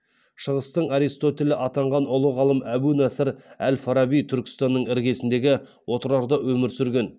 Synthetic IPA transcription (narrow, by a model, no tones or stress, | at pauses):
ʃəʁəst̪əɴɑɾijst̪o̞t̪e̞lɪʔɑt̪ɑɴʁɑnʊlˠəʁɑlˠəmæbunæsɪɾælfɑɾɑbijt̪ʰʏɾkʲɪ̥st̪ɑnːəɴɪɾɡʲe̞sɪnd̪e̞ɡʲɪ | wo̞t̪əɾɑɾd̪ɑwɵmɪɾsʏɾɡʲe̞n